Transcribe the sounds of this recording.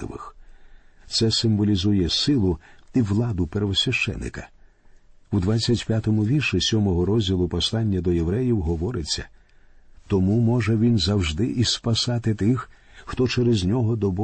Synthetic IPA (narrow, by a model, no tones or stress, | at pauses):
ɪ̰ʋɪ̰x | t̪sɛsɪmʋɔlʲizujɛsɪlˠʊiwlˠɑd̪ʊperʋɔsʲʋʲɐʃt͡ʃɛ̰nːɪ̰kɐ | wd̪ʋat͡sʲːɐtʲpʲjat̪ɔmʊʋʲirʃɪsʲɔmɔɦɔɾɔzʲdʲilˠʊpɔslˠɑnʲːɐd̪ɔjeʋɾɛjiwɦɔʋɔɾɪt͡sʲːɐ | t̪ɔmumɔʒɛʋʲinzɐwʒd̪ɪʔispɐsɑt̪ɪt̪ɪx | xt̪ɔt͡ʃɛɾezʲnʲɔɦɔd̪ɔbɔ